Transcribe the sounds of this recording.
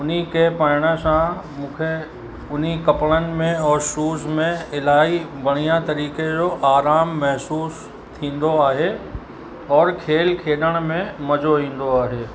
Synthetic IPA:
ʊnikepaːɪɽ̃əsãmũːkʰe | ʊnikɐpɭənɪ̆mẽɔːɾʃuːzmẽɪlaːibɐɽ̃ijãt̪ɐɾiːked͡ʑoʔaːɾaːmːɛɦsuːs | t̪ʰĩːn̆d̪oaːɦe | ɔːɾkʰeːlkʰeːɗəɽ̃mẽmɐd͡ʑoĩːn̆d̪oaːɦeː

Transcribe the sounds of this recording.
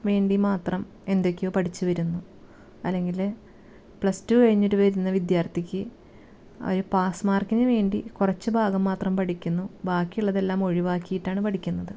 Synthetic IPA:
ʋe̞ːɳɖimaːt̪rɐm | e̞nd̪o̞kʲːejoːpɐʈʰit͡ɕːuʋɐɾunːu | ɐlːe̞ŋɡil | pɭɐstukɐɻiɲːoɾuʋɐɾunːɐʋid̪jaːrt̪ʰikʲːɨ | o̰ɾupaːsmaːrkinɨʋe̞ːɳɖikurɐt͡ɕːɨbʱaːɡɐmːaːt̪rɐmpɐʈikʲːunːubaːkːijuɭːɐðe̞lːaːmo̞ɻiʋaːkːijiʈːaːɳɨpɐʈʰikʲːunːɐðɨ

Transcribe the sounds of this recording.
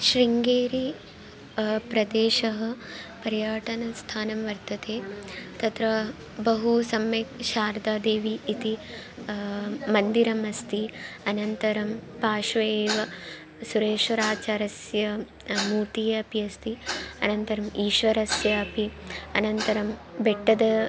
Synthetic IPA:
ʃɾiŋɡeːɾi | pɾɐd̪eːʃɐɦɐ̆pɐɾjaːʈɐnɐst̪ʰaːnɐmʋɐɾt̪ɐt̪eːt̪ɐt̪ɾɐ | bɐɦusɐmːekʃaːɾd̪aːd̪eːʋiːt̪i | mɐnd̪iɾɐmɐst̪iɐnɐnt̪ɐɾɐmpaːʃʋɐeːʋɐ | suɾeːʃʋɐɾaːt͡ʃaːɾɐsjɐ | muːt̪ijɐpiɐst̪iɐ̰nɐnt̪ɐɾɐmiːʃʋɐɾɐsjɐːpiɐnɐnt̪ɐɾɐmbeʈːɐd̪ɐ

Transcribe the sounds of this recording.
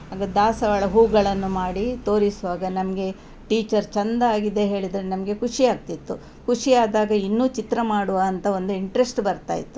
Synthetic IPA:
ɦaːɡɐd̪aːsɐʋɐɭɐɦuːɡɐɭɐnːumaːɽit̪o̞ːɾisuʋaːɡɐnɐmɐɡe̞ | ʈiːt͡ʃɐɾt͡ʃɐnd̪ɐaːɡid̪e̞ɦe̞ːɭid̪ɾenɐmɐɡe̞kuʂiaːɡ̚t̪it̪ːu | kuʂiaːd̪aːɡɐinːuːt͡ʃit̪ɾɐmaːɽuʋaːnt̪ɐo̞nd̪uiɳʈɾesʈbɐɾt̪a̰ːjḭt̪ːu

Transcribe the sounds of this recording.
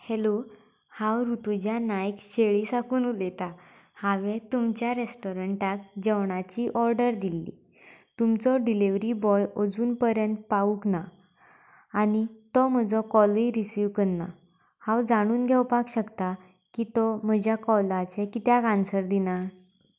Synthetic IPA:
helo | hãwɾut̪ud͡ʑjanajkɕeɭisakuːnulet̪a | haʋet̪umt͡ɕjaɾesʈɔɾəɳʈak̚d͡ʑeʋɳ̃at͡ɕiʔɔɾɖəɾd̪ilːḭ | t̪umt͡sɔɖiliʋɾibɔjɔd͡zuːnpəɾjənt̪̚pauknaː | ñit̪ɔm̤əd͡zɔkɔliɾisiʋkənːa̰ | hawd͡zaɽ̃uːnɡʱɛwpakɕəkt̪a | kit̪ɔm̤əd͡ʑʱjakɔlat͡ɕekit̪jakansəɾd̪ina

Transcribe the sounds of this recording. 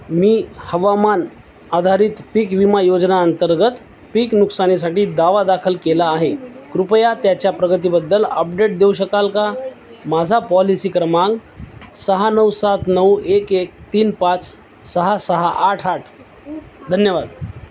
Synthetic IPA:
miːhəʋaman | ad̪ʱaɾit̪piːkʋimajod͡znaənt̪əɾɡət̪ | piknuksanis̬aʈiːd̪aʋad̪akʰəlkelaːɦekɾupəjat̪jat͡ɕjapɾəɡət̪̬ibəd̪ːələp̚ɖeʈ̚d̪ewɕəkalka | mad͡zʱapɔlisikɾəmãŋɡsəɦanəwsat̪nəwekek̚t̪iːnpat͡s | səɦasəɦaʔaʈʰaʈʰ | d̪ʱənjəʋad̪

